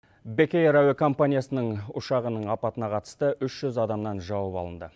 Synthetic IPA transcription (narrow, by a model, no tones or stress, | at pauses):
bekʲejɾæwekʰo̞mpanʲijasənəɴʊʃɑʁənəɴɑpɑt̪ənɑqʰɑt̪ə̥st̪əʔʏʃʒ̥ʏzɑd̪ɑmnɑnʒɑwəpɑ̰lˠənd̪ə